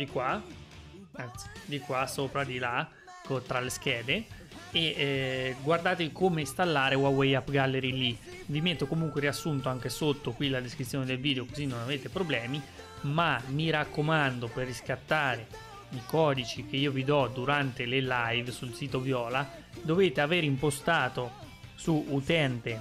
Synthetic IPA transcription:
d̪ikwa | ant̪si̥d̪ikwasoːpɾad̪ila | kot̪ɾalesk̟ɛːd̪e | e | ɡward̪aːt̪evikomest̪alːaːɾewawejapːɡalːeɾili | vimet̪ːokomuŋkweɾiasːunt̪oaŋk̟esot̪ːokwilad̪eskɾit̪sːjoːned̪elviːd̪eokozinːonaveːt̪epɾoblɛːmi | mamiɾakʰːomand̪operːiskat̪ːaːɾe | ikɔːd̪it͡ʃik̟eiːovid̪ɔd̪uɾant̪elelajvsulsiːt̪ovjɔːla | d̪oveːt̪eaveːɾimpost̪aːt̪o | suut̪ɛnt̪e

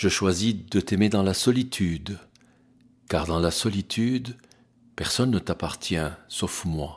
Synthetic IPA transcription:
ʒ̥əʃwazid̪ət̪emed̪ɑ̃lasɔlit̪ʰyd̪ | kaʁd̪ɑ̃lasɔlit̪ʰyd̪ | pɛʁsɔnːət̪apaʁt̪jɛ̃sofmwa

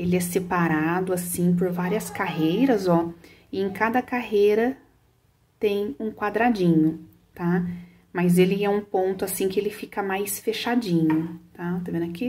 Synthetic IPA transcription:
elɪɛsepaɾad̪ʊasĩpoɾvaɾiɐskaɦejɾɐzɔ | ɪẽkad̪ɐkaɦejɾɐ | t̪ẽj̃ũkwad̪ɾad͡ʒĩɲʊ | t̪a | mɐzelɪɛũpõnt̪ʊasĩkɪelɪfikɐmajsfeʃad͡ʒĩɲʊt̪at̪evẽnɐki

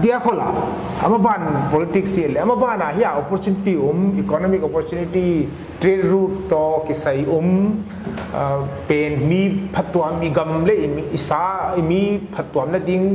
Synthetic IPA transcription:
dijakʰola̰ | ɐ̰mɐbanpolitiksiɐleɐmɐbanaɦijaɔpɔɾt͡ʃunitiumikonɔmikɔpɔɾt͡ʃuniti | tɾedɾutːɔkisajum | penmipʰɐtːuwamiɡɐmlemiːsaimipʰɐtːuwamnɐdiŋ

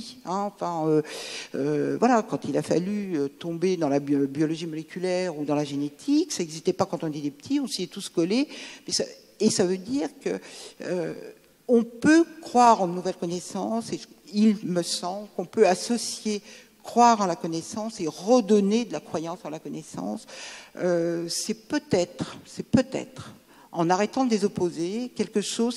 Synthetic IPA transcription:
ɛ̃ɑ̃fɛ̃øøvwalakɑ̃t̪ʰilafa̰lyøt̪ɔ̃bed̪ɑ̃labjɔlɔʒimɔlekʲylɛʁud̪ɑ̃laʒenet̪ʰiksaɛɡzist̪ɛpakɑ̃t̪ɔ̃d̪ɛd̪epə̥t̪ʰiɔ̃siɛt̪uskɔlemɛsa̰ː | savød̪iʁkə̰ø̰ | ɔ̃pøkχwaʁɑ̃d̪ənuvɛlkɔnɛsɑ̃se | ilməsɑ̃blkɔ̃pøasɔsje | kχwaʁɑ̃lakɔnɛsɑ̃seʁəd̪ɔned̪əlakχwajɑ̃sdɑ̃lakɔnɛsɑ̰̃søsɛpøt̪ɛt̪χsɛpøt̪ɛ̰t̪χ | ɑ̃naʁɛt̪ɑ̃d̪əd̪ezɔpozekʲɛlkəʃoz

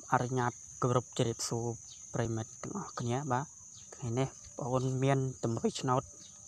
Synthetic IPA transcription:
ʔaɾuɲaːt̪̚koɾup̚t͡ɕɾiəp̚suə | prɛːmɨt̪̆ːəŋʔɑhkʰniəɓaː | kʰŋajneh | pʔoːnmiənt̪umrɨjt͡ɕʰnaɔt̪̚

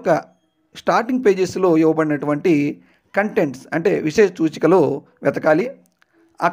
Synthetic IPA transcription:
kɐ | sʈaːɾʈiŋɡ̚pe̞ːd͡ʒeslo̞ːiʋɐpɐɽinɐʈuʋɐɳʈi | kɐɳʈe̞ɳʈsɐɳʈe̞ːʋiʂeːʃt͡ʃuːt͡ʃi̥kɐloː | ʋɛt̪ɐkaːli | ɐ

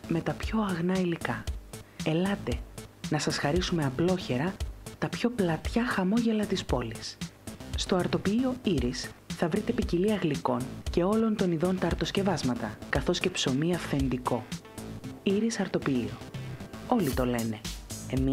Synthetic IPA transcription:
me̞t̪ɐpço̞ɐɣnɐilikɐ | elɐt̪e̞nɐsɐsxɐɾisume̞ɐplo̞çe̞ɾɐt̪ɐpço̞plɐt̪çɐxɐmo̞ʝe̞lɐt̪ispo̞lisst̪o̞ɐɾt̪o̞piio̞iɾisθɐvɾit̪e̞piciliɐɣliko̞nce̞o̞lo̞nt̪o̞niðo̞nt̪ɐːɾt̪o̞sce̞vɐzmɐt̪ɐkɐθo̞sce̞pso̞miɐfθe̞nd̪iko̞ | iɾisɐɾt̪o̞piio̞̰ | o̞lit̪o̞le̞ne̞emi

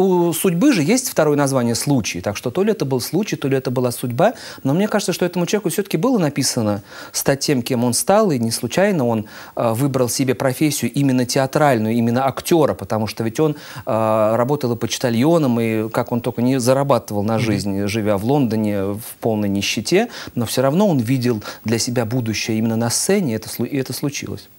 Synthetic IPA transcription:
usʊdʲbɨʐɨjesʲtʲft̪ɐɾo̞jənɐzvanʲɪjəslˠut͡ɕɪjt̪akʂt̪o̞t̪o̞lʲɪɛt̪əbɨlˠslˠut͡ɕɪjt̪olʲɪɛt̪əbɨlˠasʊdʲbano̞mnʲekaʐət̪səʂt̪o̞ɛt̪əmʊt͡ɕɪlˠvʲkʊfsʲot̪ə̥kʲɪbɨlˠənɐpʲisənə | st̪at̚ʲːe̞mkʲe̞mo̞nst̪alˠɨnʲɪslˠʊt͡ɕæjnəo̞n | əvɨbɾəlˠsʲɪbʲe̞pɾɐfʲesʲːɪjʊʔimʲɪnːətʲɪɐt̪ɾalʲnʊjʊimʲɪnːəɐktʲo̞ɾəpət̪ɐmuʂt̪ovʲɪtʲo̞n | əɾɐbo̞t̪əlˠpət͡ɕɪ̥t̪ɐlʲjo̞nəmikako̞nt̪olʲkənʲɪzəɾɐbat̪əvəlˠnɐʐɨzʲnʲʐɨvʲavlˠo̞nd̪ənʲɪfpo̞lˠnəjnʲɪɕːɪtʲe̞no̞fsʲoɾɐvno̞onvʲidʲɪlˠd̪lʲɐsʲɪbʲabud̪ʊɕːɪjəimʲɪnːənɐst̪sɛnʲɪɛt̪ə̥slˠʊɪɛt̪əslˠʊt͡ɕḭlˠə̰sʲ

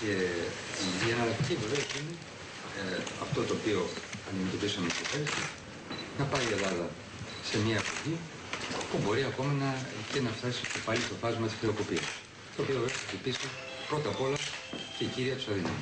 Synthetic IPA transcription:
eiiɐnɐlɐkt̪icive̞ve̞osine | ɐft̪o̞t̪o̞ːpio̞ɐnd̪ime̞t̪o̞pisɐmet̪opest̪i | nɐpɐie̞lɐðɐ | se̞mɲɐːpoʝi | pubo̞ɾiɐko̞mɐnɐcenɐft̪ɐsi̥cepɐlist̪o̞fɐzmɐt̪isxɾeo̞ko̞piɐs | t̪o̞ːpiovɾest̪opisi | pɾo̞t̪ɐpo̞lɐceiciɾiɐt̪u̥sɐðinɐ̰m

